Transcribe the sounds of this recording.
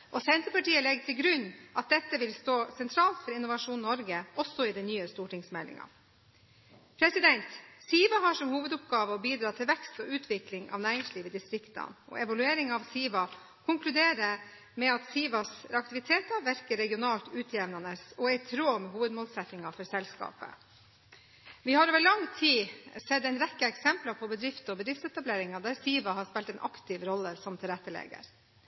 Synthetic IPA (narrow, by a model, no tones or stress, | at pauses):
ʔɔsɛnt̪ɾəpɑʈiːəlɛɡt̪ʰɪlɡɾʉnːʔɑt̪̚d̪ɛt̪ːəʋɪlst̪oːsɛnt̪ʰɾɑːlt̪fɔɾɪnʊʋɑʂuːnnːɔɾɡəɔsɔɪd̪ɛnyːəst̪uːʈɪŋsmɛlːɪ̰ŋɑ̰ | pʰɾɛsɪd̪ɛnt̪siːʋɑɦɑʂɔmhuːʋəd̪ʊpɡɑːʋəɔbiːd̪ɾɑːt̪ʰɪlʋɛkst̪ɔʉːt̪ʰʋɪklɪŋɑ̰ʋnæːɾɪŋsliːʋəd̪ɪst̪ɾɪkt̪ɑ̰nɔ̰ɛʋɑlʉeːɾɪŋɑʋsiːʋɑ | kʰʊŋklʉd̪eːɾə | mɛɑt̪siːʋɑsɑk̚t̪ɪʋɪt̪ʰeːt̪ɑɾʋæɾkəɾɛɡɪʊnɑːlt̪ʉːt̪ʰjɛʋnɑnəsɔæɪt̪ʰɾoːmɛɦuːʋəd̪moːlsɛt̪nɪŋɑfɔɾsɛlskɑ̰ːpə̰ | ʋɪhɑɾoːʋəɭɑŋt̪ʰiːsɛd̪æɪnɾɛkːəɛksɛmplɑpʰɔbəd̪ɾɪft̪ɔbəd̪ɾɪft̪sɛt̪ɑbleːɾɪŋɑd̪æɾsiːʋɑɦɑspɛlt̪ɛnʔɑkt̪ɪʋɾɔlːəsɔmt̪ʰɪlɾɛt̪ːəlɛ̰ɡə̰ɾ